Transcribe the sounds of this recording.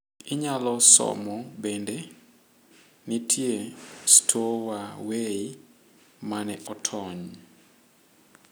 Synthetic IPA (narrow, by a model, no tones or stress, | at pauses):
ɪɲalɔsɔ̰mɔbende | nitʰjestʰowawei | manɛʔɔtʰɔɲ